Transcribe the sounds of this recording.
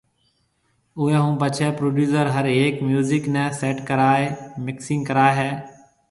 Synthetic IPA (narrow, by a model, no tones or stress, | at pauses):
ʊːɦɛ̃ːɦũːp̬ət͡ʃʰɛːpɾoːɖjuːsəɾɦəɾeːkmjuːzɪknɛ̃ːseːʈkəɾaːemɪksɪŋkəɾaːɦɛː